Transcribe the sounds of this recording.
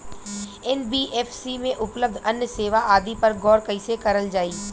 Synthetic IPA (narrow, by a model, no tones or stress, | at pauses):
ɛnbiːʔɛːfsimẽʔʊpləb̚d̪ʱɐnjəseːʋaʔaːd̪ipɐɾɡɔːɾkɐɪsekɐɾəld͡ʒaːiː